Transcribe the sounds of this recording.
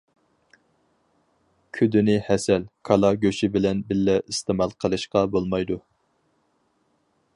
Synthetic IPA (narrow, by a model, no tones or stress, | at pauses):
kʲʰyd̪ɪnɪhɛsɛlkʰɑlˠɑɡʲøʃɪbɪlɛnbɪlːɛʔist̪ɨmɑlˠqʰəlˠɨʃqɑbolˠmɑjd̪u